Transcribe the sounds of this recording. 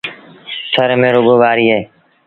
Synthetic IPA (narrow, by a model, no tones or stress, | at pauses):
t̪ʰəɾmẽːɾʊɠoːʋaːɾiːɦeː